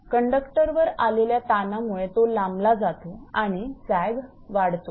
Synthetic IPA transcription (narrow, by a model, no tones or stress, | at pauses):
kəɳɖəkʈəɾʋəɾaleljat̪anamuɭet̪olamblad͡zat̪oaɽ̃it͡sajɡ | ʋaɽt̪o